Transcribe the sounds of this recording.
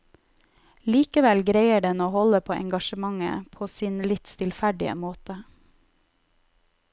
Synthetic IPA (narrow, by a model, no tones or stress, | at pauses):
liːkəʋɛlɡɾeɪəɖɛnoːhɔləpʰoːʔɛ̰ŋɡɑʃəmɑŋə̰pʰoːsiːnlɪt̪st̪ʰɪlfæɖɪə̰moːt̪ə